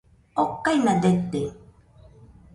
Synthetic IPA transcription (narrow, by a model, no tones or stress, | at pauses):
okːajnad̪et̪ːe